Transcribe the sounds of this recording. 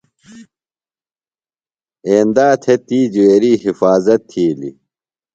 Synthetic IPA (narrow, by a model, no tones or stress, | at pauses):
eːnd̪aːt̪ʰet̪iːd͡ʑuweːɾiːɦifaːzɐt̪ʰːiːlḭ